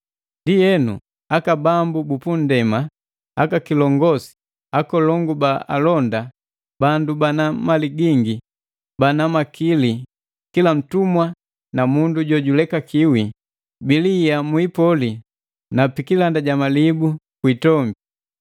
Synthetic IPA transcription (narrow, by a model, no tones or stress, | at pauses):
ndijɛnṵ | akabambubupun̩dɛma | akakilɔŋɡɔsi̥ | akɔlɔŋɡubaa̰lɔnda | bandubanamaliɡiŋɡi | banamakili | kilam̩tumwa | namunduɟɔɟulɛkakiwi | bilijamuipɔli | napikilandaɟamalibukwitɔmbi